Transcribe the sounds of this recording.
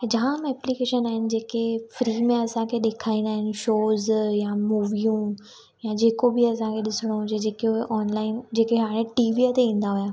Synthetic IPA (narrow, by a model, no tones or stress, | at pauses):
d͡ʑɐɦãmɛːplikeːʃənaːɦɪnɪ̆d͡ʑeːkefɾiːmẽɐsãkʰeɗeːkʰaːĩnd̪aːɦɪnɪ̆ʃoːzjamuːʋijũ | jad͡ʑeːkobiɐsãkʰeɗɪsɪɽ̃oɦʊd͡ʑed͡ʑeːkoʔɔːnlaːɪnd͡ʑeːkeɦaːɽ̃ẽʈiːʋiət̪eĩːn̆d̪aɦujaː